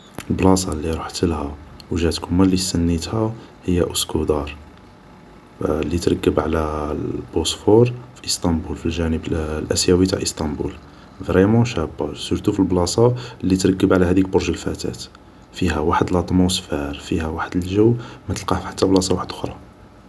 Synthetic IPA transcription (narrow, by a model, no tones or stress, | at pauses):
əlblɑsˤɑlːiɾˤoħt̪əlhæwʒæt̪kʊmːælːisənːit̪hæhəjːæʔʊskʰud̪ɑɾˤ | lːit̪ɾˤɑkːəbʕlæb̥osfoɾˤfiʔəst̪ˤɑmbulfilʒænəblʔæ̰sjæwit̪a̰ʕʔəst̪ɑmbṵl | vʁɾɛmɑ̃ʃæbːasyɾt̪ufilblɑsˤɑlːit̪ɾɑkːəbʕlæhæd̪ikbʊɾʒəlfæ̰t̪æ̰t̪ | fihæwaħəd̪lɑt̪ˤmusfæɾfihæwaħəd̪əlʒəwmæt̪əlqɑhħḁt̪ːæblɑsˤɑwaħəd̪ʔʊxɾˤɑ